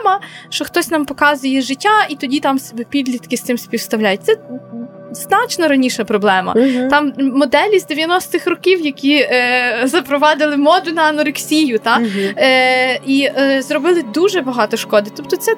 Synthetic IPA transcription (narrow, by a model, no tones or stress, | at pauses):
mɐʃt͡ʃɔxt̪ɔsʲnɑmpɔkɑzʊjɛʒɪtʲːait̪ɔdʲit̪ɑmsebɛpʲid̪ʲlʲit̪kɪsɪmsʲpʲiwst̪ɐwlʲajʊt̪̚ʲsɛ | znɑt͡ʃnɔɾɐnʲiʃɛpɾɔblˠɛmɐ̰t̪ɑmːɔd̪ɛlʲizd̪eʋjɐnɔst̪ɪxrɔkʲiwjɐkʲi | zɐpɾɔʋɑd̪ɪlˠɪmɔd̪ʊnɐɐnɔɾɪksʲijʊt̪ɑ | izɾɔbɪlˠɪd̪uʒɛbɐɦɑt̪ɔʃkɔd̪ɪt̪ɔpt̪ɔt̪sɛ